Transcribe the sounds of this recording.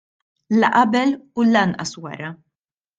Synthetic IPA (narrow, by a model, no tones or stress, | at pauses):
lɐʔɐbɛlulɐnʔɐswɐ̰ɾɐ